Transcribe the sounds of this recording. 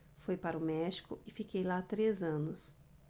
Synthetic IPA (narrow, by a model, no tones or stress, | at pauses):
fojpaɾɐʊmɛʃi̥kʊ̰ɪfikejlat̪ɾezɐ̃nʊs